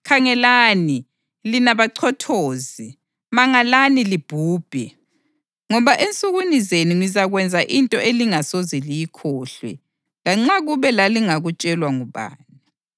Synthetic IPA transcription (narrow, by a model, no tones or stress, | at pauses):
kʰaŋɛlaːni | linaβaǀʰɔtʰoːzi | maŋalanilib̥ʱuːb̥ʱɛ | ŋɔβaʔent͡sʼuɣunizeniŋwizaɣwɛnd͡zʱaʔintʼɔʔeliŋasozilijikʰɔːɬwɛ̰ | laŋ͡ǁaɣuβɛlaliŋaɣut͡ʃʼɛlwaŋuβa̰ːni